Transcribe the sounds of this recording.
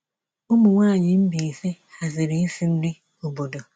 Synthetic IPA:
ʊ˦mʊ˨ŋʷaː˦˨ɲɪ˨m̩˦bi˨i˨se˦ | a˨zɪ˨ɾɪ˦i˦fi˦n̩˦dɪ˦ | o˨bo˨do˨

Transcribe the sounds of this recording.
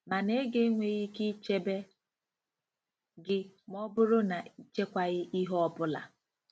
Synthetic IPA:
ma˨ne˦ɡe˦ŋʷe˨ɣi˦ki˦t͡ʃe˦be˦ | ɡɪ˦mɔ˦bʊ˦ɾʊ˦na˨i˦t͡ʃe˦kʷa˦ɣɪ˦ʔi˦ɦɔ˦pʊ˦la̰˨

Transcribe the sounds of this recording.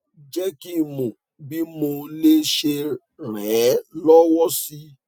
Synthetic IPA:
d͡ʒɛ˦ki˦mõ˨ | bi˦mo˧le˦ʃe˧ | ɾɛ˨˦lɔ˦wɔ˦si˦

